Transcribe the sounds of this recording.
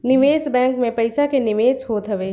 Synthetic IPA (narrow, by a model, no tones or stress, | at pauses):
nɪʋeːsbɛ̃ːŋkmẽpɐɪsakenɪʋeːsɦoːt̪ɦɐʋeː